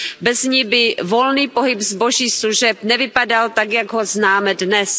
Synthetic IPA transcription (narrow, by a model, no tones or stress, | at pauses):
bɛzɲibɪvo̞lniːpo̞ɦɪpzbo̞ʒiːsluʒɛpnɛvɪpadalt̪aɡjaɡɦoznaːmɛdnɛs